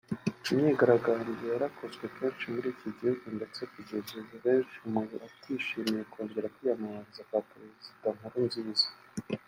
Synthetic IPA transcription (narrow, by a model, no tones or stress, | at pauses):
umɲeɡaɾaɡaːɲdejaɾakʰo̞zɡwe̞kʰeːnʃimuɾiːciɟihuɡundet͡sekuɟezezeβe̞ːnʃiumuuʔatʰiːʃiːmijeko̞ːɲɟe̞ɾakwijamaβaɾizakapɾe̞zzidaŋ̥uɾunziːz̥ḁ